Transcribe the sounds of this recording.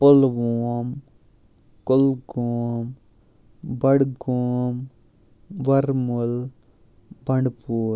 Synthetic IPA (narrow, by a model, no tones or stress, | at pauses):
polʋoːm | kolɡoːm | bɐɽɡoːm | ʋɐɾmul | bɐɳɖpuː